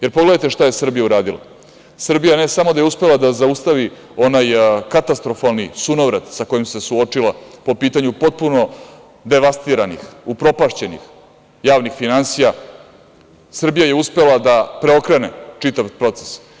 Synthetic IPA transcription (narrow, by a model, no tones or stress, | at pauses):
jeɾpo̞ɡled̪ajt̪e̞ʂt̪aje̞sr̩bijauɾaːd̪ilˠa̰ | sr̩bijane̞samod̪ajeuspe̞lˠad̪azaust̪aʋi | o̞najkat̪ast̪ɾo̞falˠnisunoʋɾed̪sako̞jimse̞suo̞t͡ʂilapo̞piːt̪aɲupo̞t̪̚puno̞ | d̪e̞ʋast̪iɾanḭxupɾo̞paʃt͡ɕe̞nḭx | jaːʋnixfinansija | sr̩bijaje̞uspe̞lad̪apɾeo̞kɾenet͡ʂit̪aʋpɾo̞t̪se̥s